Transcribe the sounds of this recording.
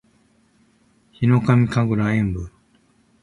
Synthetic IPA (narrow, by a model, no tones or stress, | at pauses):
çino̞kamʲikaɡɯ̟ɾaẽmbɯɾ